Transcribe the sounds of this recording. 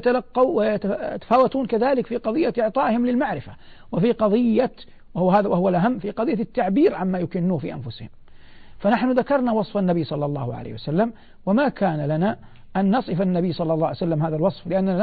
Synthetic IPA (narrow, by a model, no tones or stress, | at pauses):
t̪alaqːɑwajat̪a̰t̪ḁfaːwat̪uːnkaðaːlɪkfiːqɑðˤɨjːaʔɪʕt̪ˤɑːʔhɪmlɪlmaʕɾɪfa̰ | wɪfiːqɑðˤɨjːa | wɦaːðawaɦʊwalʔaɦamːfiːqɑðɨjːat̪ːaʕbiːɾʕamːaːjʊkɪnːuːhfḭːʔa̰nfʊshɪm | fanaħnʊðakɑɾˤnawɑsˤfanːabijːsˤɑlːɑlːɑ̰ːhʊʕa̰lḛːhwasalːam | wamakʰaːnalana | ʔanːɑsˤɨfanːabijːsˤɑlːɑlːɑːʕjsalːamɦaːðalwɑsˤflɪʔanːa